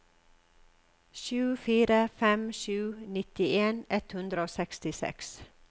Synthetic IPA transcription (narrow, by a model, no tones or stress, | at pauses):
ʃʉːfiːɾəfɛmʃʉːnɪt̪ɪʔeːnɛt̪hʉnd̪ɾəoːsɛkst̪ɪsɛ̰ks